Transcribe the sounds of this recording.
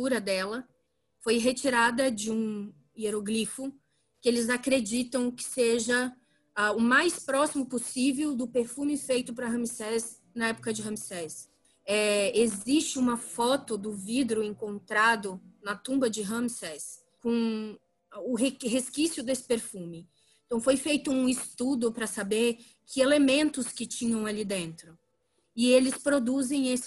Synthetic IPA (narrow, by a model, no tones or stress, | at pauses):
t̪uɾɐd̪ɛlɐ | fojɦet͡ʃiɾad̪ɐd͡ʒɪũ | ieɾoɡlifʊ | kɪelɪzakɾed͡ʒit̪ɐ̃w̃kɪ̥seʒɐ | aʊmajspɾɔsimʊposivewd̪ʊpeɾfũmɪfejt̪ʊpɾɐɦɐ̃misɛs | nɐɛpʊ̥kɐd͡ʒɪɦɐ̃misɛs | ɛezist͡ʃɪũmɐfɔt̪ʊd̪ʊvid̪ɾʊẽŋkõnt̪ɾad̪ʊnɐt̪ũmbɐd͡ʒɪɦɐ̃msɛs | kõ | ʊɦeɦeskisjʊd̪esɪ̥peɾfũmɪ | ẽt̪ɐ̃w̃fojfejt̪ʊũɪst̪ud̪ʊpɾɐsabeɾ | kʰɪelemẽnt̪ʊskɪt͡ʃĩɲɐ̃w̃alid̪ẽnt̪ɾʊ | ɪelɪspɾod̪uzẽj̃esɪ̥